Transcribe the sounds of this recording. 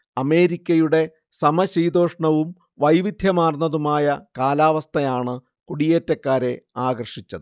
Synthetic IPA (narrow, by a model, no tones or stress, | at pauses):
ɐme̞ːɾikʲːɐjuɽe̞ | sɐmɐɕijd̪o̞ːʂɐɳɐʋum | ʋɐjʋid̪ʱjɐmaːrnːɐðumaːjɐkaːlaːʋɐst̪ʰɐjaːɳɨ | kuɽijeːtːɐkːaːɾe̞aːɡɐrʂit͡ɕːɐðɨ